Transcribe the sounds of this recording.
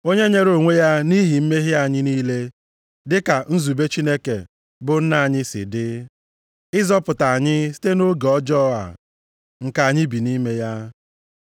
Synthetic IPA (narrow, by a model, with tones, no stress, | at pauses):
o˦ɲe˦ɲe˦ɾo˨ŋʷe˦ja˦ni˦ɦi˨m̩˦me˦ɦɪ˦a˨ɲɪ˦niː˦le˦ | dɪ˦ka˨n̩˦zu˨be˦t͡ʃi˦ne˦kḛ˨ | bʊ˨n̩˦na˦a˨ɲɪ˦sɪ̰˨dɪ˦ | ɪ˦zɔ˦pʊ˨ta˨a˨ɲɪ˦si̥˦te˦no˦ɡɔ˦d͡ʒɔ˦a̰˨ | ŋ̩˨ka˨a˨ɲɪ˦bi˨ni˦me˦ja˦